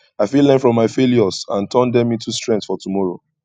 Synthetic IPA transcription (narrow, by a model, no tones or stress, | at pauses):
aɪfilːɛ̃nfɹɔ̃mːaɪfeljɔzã̰ntʰɜ̃ndɛ̃mĩntustɹɛ̃ntsfɔtumɔɹo̰